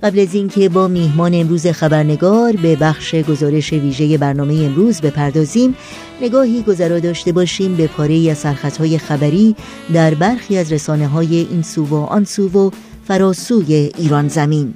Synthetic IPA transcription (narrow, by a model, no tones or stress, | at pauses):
ɢ̥æblæzincʰe̞bɒːmiːɦmɒːneːmɾuːze̞xæbæɾne̞ɡɒːɾbe̞bæxʃe̞ɡo̞zɒːɾe̞ʃe̞viːʒe̞je̞bæɾnɒːme̞jeːmɾuːzbe̞pʰæɾd̪ɒːziːm | ne̞ɡɒːɦiːɡo̞zæɾɒːd̪ɒːʃt̪e̞bɒːʃiːmbe̞pʰɒːɾe̞iːæz̥sæɾxæt̪ʰhɒːje̞xæbæɾiː | d̪æɾbæɾxiːæzɾesɒːne̞ɦɒːje̞ʔiːnsuːvoʔɒ̰nsuːvo | fæɾɒːsuːje̞ʔiːɾɒːnzæmiːn